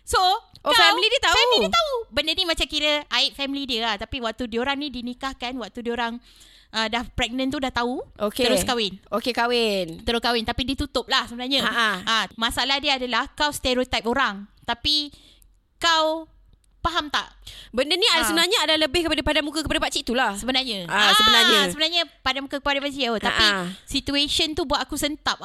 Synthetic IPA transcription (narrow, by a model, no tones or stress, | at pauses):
soʔokafɛwlidiət̪afɛmliiət̪aubəndənimat͡ʃamkiɾəaɪt̪̚fɛmilidiəat̪apiwak̚t̪udioɾaŋnidinikahkanwak̚t̪udioɾaŋ | ʔədahpɾɛɡ̚nə̃nt̪udaht̪auʔok̪əɾʊskawɪnokekawɪnt̪əɾʊskawɪnt̪apidiət̪ut̪ʊp̚lahsəbənaɲaaʔaʔamasaʔalahdiəadalahkawst̪eɾot̪ajp̚oɾaŋt̪api | kaw | paɦamt̪a̰ʔbəndəniasəbənarɲaadlaləbɪhkəpadapadanmũkakəpadapat͡ʃit̪ulahsəbənarɲãasəbənaɲasəbənarɲapadanmũkakəpadapat͡ʃiot̪apisit̪ueʃənt̪ubuat̪akusənt̪ap̚